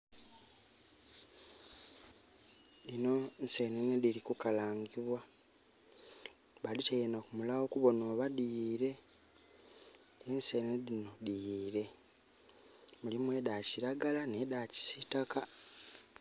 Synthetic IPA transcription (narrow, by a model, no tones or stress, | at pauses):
ino̞nse̞nenedilikukalaːŋɡiβwa | βalitejenakumulawokuβo̞noːβadiɾe̞ | ensenedino̞dijːɾe̞ | mulimwe̞ːdaciɾaɡalane̞daːci̥sitaka